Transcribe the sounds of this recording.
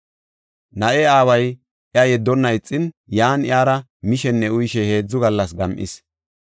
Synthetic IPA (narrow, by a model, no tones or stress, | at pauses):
nɐʔɛaːwɐj | ʔɪɐjɛd̪ːɔnːɐɪt͡sʼːɪn | jaːnɪaːɾɐ | mɪʃɛnːɛʊjʃɛhe̞ːd͡zːʊɡɐlːɐsɡɐmʔɪ̰s